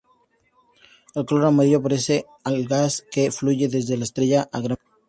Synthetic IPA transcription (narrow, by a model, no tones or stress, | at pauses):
elkoloɾamaɾiʎop̬aɾese | alɣaskefluʝeðezðelaest̪ɾeʎaʔaɣɾa